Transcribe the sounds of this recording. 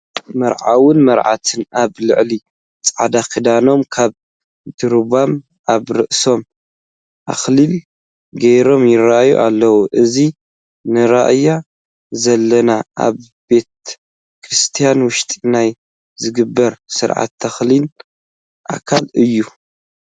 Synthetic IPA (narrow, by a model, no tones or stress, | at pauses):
mɐɾʕawɨnmɐɾʕa̰t̪ʰɨnaβlɨʕli | t͡sʼʕa̰d̪akɨd̪ano̞mkʰaβ | d̪ɨɾβam | ʔaβɾɨʔso̞m | ʔa̰xlil | ɡɐjɾo̞mjɪraʔjṵʔalːɐwuʔɨzi | nɨɾaʔja | zɐlːɐnaa̰β | be̞t̪ | kɾist̪ʰijanwʊʃt̪ʼinaj | zɨɡɨbːɐɾsɨɾʕa̰t̪ʰːɐxlin | ʔa̰kʰalɨjːu